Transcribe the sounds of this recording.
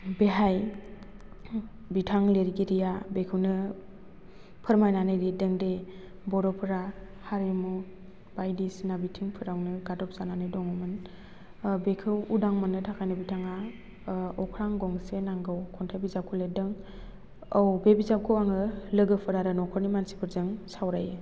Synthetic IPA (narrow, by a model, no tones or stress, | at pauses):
beɦaj | bitʰaŋleɾiɡiɾijabekʰɯwnɯ | pʰɯɾmajnanɯjɾedɯŋde | bɔɾɔpʰɯɾahaɾimu | b̥ajdisinabitʰiŋpʰɯɾawnɯɡadɔp̚sananɯjdɔŋɔmɯn | bekʰɯwudaŋmanɯtʰakʰajnɯbitʰaŋa | ɔkʰɾaŋɡɔŋsenaŋɡɯwkʰɔntʰajbizap̚kʰɔledɯŋ | ɔwbebizap̚kʰɯwaŋɯlɯɡɯpʰɯɾaɾɯnɔkʰɔɾnimansi̥pʰɯɾzɯŋsawɾajɯ